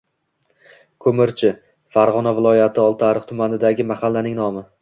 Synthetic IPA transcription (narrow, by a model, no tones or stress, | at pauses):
kʰɵmɪɾt͡ʃʰɪ | faɾʁɒnavɪlˠɒjat̪ʰɪɒlˠt̪ʰaɾɨqt̪ʰʊmanɪd̪aɡʲɪmahalːanɪŋnɒmɪ